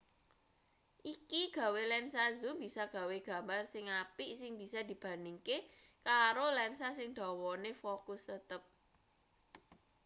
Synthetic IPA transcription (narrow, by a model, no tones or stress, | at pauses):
ʔikiɡ̥a̤welɛnsazubisaɡ̥ä̤weɡ̥a̤mbarsɪŋapiʔsɪŋbi̤sad̪̥i̤b̥ä̤niŋkekaɾolɛnsasɪŋd̪̥ɔ̤wɔnefokʊst̪ət̪əp̚